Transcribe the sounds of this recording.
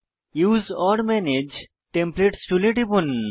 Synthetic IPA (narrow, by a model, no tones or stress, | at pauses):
juːzɔːɾmened͡ʒ | ʈẽmpleʈsʈuleʈipun